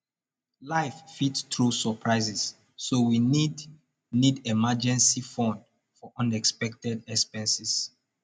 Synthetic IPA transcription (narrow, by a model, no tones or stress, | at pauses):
laɪffitstɹusəpʰɹaɪzɛsː | owinid | nidɛmad͡ʒɛ̃nsifɔ̃nd | fɔʔʌ̃nɛkspɛk̚tɛdɛkspɛ̃nsis